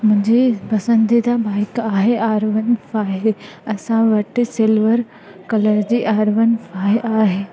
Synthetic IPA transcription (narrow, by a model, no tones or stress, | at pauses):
mʊ̃ɲd͡ʑipɐsə̃nd̪ʱid̪abaːɪkaːɦeaːɾʋənfaːɦeɐsãʋɐʈsɪlʋəɾ | kɐləɾd͡ʑiːʔaːɾʋənfʰaːʔaːɦeː